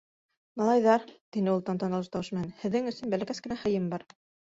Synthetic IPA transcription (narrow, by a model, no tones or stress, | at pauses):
mɑlˠɑjðɑɾt̪inɘulˠt̪ɑnt̪ɑnɑ̆lˠɤʃt̪ɑwʃmæhænhɘ̆ðːɘŋɵ̆sɵnbælækæskɘ̆næχɤ̆jɤmbɑɾ